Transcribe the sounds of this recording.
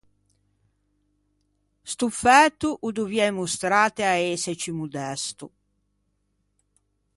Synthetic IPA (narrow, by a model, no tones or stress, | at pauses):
st̪ufɛt̪ːuʔud̪uvjɛjmust̪ɾaːt̪eaɛːset͡ʃimud̪ɛst̪u